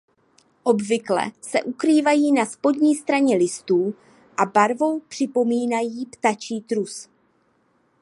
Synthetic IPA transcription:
ʔo̞bvɪklɛ̰sɛ̰ʔukɾiːvajiːnaspo̞d̪ɲiːst̪ɾaɲɛlɪst̪uː | ʔabaɾvo̞wpr̝̥ɪpo̞miːnajiːpt̪at͡ʃiːt̪ɾus

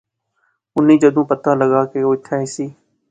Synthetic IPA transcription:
ʊniːd͡ʒəd̪ũːpət̪ãːləɠaːkeːoːɪt̪ʰaːɦɪsiː

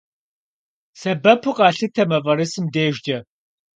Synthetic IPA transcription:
sɐbɐpʰuqʼɑːɬɨtʰɐmɐvɐɾɨsɨmdeːʒd͡ʒɐ

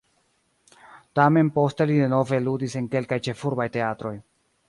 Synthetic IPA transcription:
tame̞npo̞ste̞lide̞no̞ve̞ludise̞ŋke̞lkajt͡ʃe̞fuɾbajte̞atɾo̞j

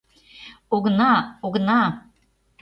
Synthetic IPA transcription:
oɣnɑoɣnɑ

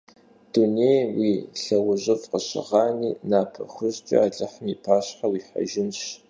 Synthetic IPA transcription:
d̥unejwiːɬɐwʊʑɪfqəɕɪ̰ʁɑːniːnaːpʰɐ̰xʊʑt͡ʃʼḭaːɮʼɐħəmiːpʰaːɕħawiːħa̰ʒɪnɕ

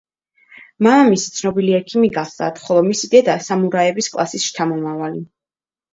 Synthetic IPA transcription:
mamisi̥t̪sʰnɔbiliɛkʰimiɡad̪a̰t̪χɔlˠɔmisid̪ɛd̪asamuɾaɛbiskʼlˠa̰sisʃt͡ʃ̪ʰamɔmavali

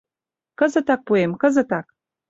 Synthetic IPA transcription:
kə̆zə̆t̪ɑk̚puemkəzə̆t̪ɑk̚

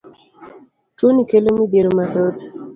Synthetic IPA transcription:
tonikelomideɾomat̪ot̪

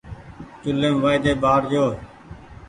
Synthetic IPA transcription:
tʊleːmʋaːid̪eːbaːɽd͡ʒoː

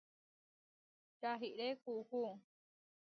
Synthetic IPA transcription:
t͡ʃaɦiɾekuhu

